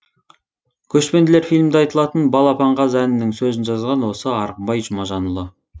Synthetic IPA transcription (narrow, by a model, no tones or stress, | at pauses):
kʲʰɵʃpe̞nd̪ɪle̞ɾfijlʲmd̪eɑjt̪əlˠɑt̪ənbɑlˠɑpʰɑɴʁɑzænɪnɪŋsɵzɪnʒɑzʁɑnwo̞səɑɾəq̚bɑjʒʊmɑʒɑnəlˠə